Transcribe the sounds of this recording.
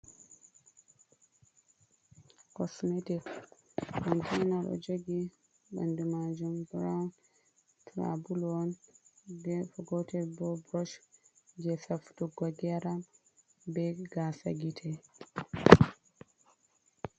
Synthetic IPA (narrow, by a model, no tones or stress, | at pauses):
kɔsmetik | kɔntʰinaɗɔ̰d͡ʒoɡi | ba̰ndumad͡ʒumɡɾawn | tʰɾa̰bulɔndɛfɡɔtɛbɔbɾɔʃ | d͡ʒɛsaftuɡaɡɛɾam | bɛɡasa̰ɡitʰɛ